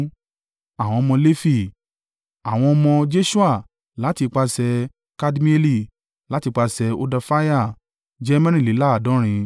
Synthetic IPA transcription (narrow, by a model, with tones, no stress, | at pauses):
a˨w̃ɔ̃˧ɔ˧mɔ̃˧le˦fi˦˨ | a˨w̃ɔ̃˧ɔ˧mɔ̃˧d͡ʒe˦ʃu˦a˦˨ | la˨˦ti˧k͡pa˧sɛ˧ | ka˧di˦mĩ˦e˧li˦˨ | la˨˦ti˧k͡pa˧sɛ˧o˧da˧fa˦ja˦˨ | d͡ʒɛ˦mã˦nĩ˦˨li˨˦la˦a˦˨dɔ̃˨˦ɾ̃ĩ˧